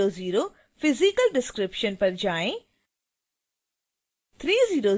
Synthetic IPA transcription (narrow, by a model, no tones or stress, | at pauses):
oːziːɾoː | fʰɪzikəlɖɪskɾɪpʃənpɐɾd͡ʒaːẽ | t̪ʰɾiːziːɾoː